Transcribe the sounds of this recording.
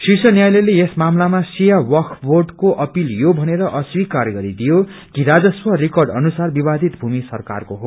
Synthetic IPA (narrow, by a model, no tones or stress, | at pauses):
sisʌnjajlʌlejesmamlamasijawʌkʰbʱorɖkoʔʌpiljobʱʌneɾʌʔʌswikarɡʌɾid̪ijokiɾad͡zʌswʌrikʌrɖʌnusarbibad̪ʱit̪bʱumisʌrka̰rkoɦo